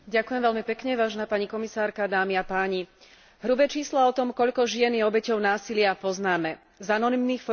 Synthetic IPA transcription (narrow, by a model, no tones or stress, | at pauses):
ɟakujɛmʋɛʎmipɛkɲɛʋaːʒɛnaːpaɲikɔmisaːɾkad̪aːmiapaːɲi | ɦɾubɛt͡ʃiːslaɔt̪ɔmkɔʎkɔʒɪɛnjɛɔbɛcɔʊnaːsilɪapɔznaːmɛ | zanɔnimniːxf